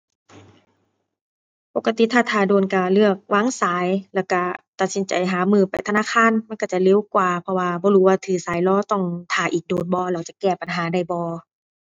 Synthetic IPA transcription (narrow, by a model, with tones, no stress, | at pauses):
po˨˧kːa˧t̪i˧˨t̪ʰaː˧˩t̪ʰaː˧˩doː˨˩nka˧˩lɯ˧˩ək̚waː˧˥˨ŋsaː˨˦jlɛː˧˩wka˧˩t̪a˨˩t̪̚si˨˦nt͡ɕa̰˨˩jɦaː˨˦mɯː˧˩˨pa˨jt̪ʰa˧naː˧˥˨kʰaː˧˥˨nma˧˥˨nka˧˩t͡ɕa˧˩le˧˨wkwaː˨˧˩pʰɔ˧waː˧bɔː˧˦duː˧˩waː˧t̪ʰɯː˨˩saː˨˦jlɔː˧˨t̪ɔ˧˩ŋt̪ʰaː˨˩ʔiː˨˩k̚doː˨˩nbɔː˧˦la˧˩wt͡ɕa˧˩kɛː˧˩pa˨nɦaː˨˦da˧˩jbɔː˧˦